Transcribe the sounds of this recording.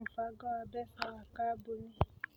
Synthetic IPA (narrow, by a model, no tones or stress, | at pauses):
faɡɔabɛfawakabunĩ